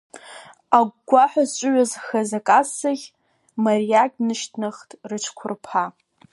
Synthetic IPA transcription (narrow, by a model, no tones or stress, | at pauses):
aɡʷɡʷaħʷᶣazt͡ʃʷʼʊɥazxazakʼasaɣʲ | marijakʲʼnɨʃtʰnɨχtʼrɨt͡ʃʷʰkʷʰʊrpʰa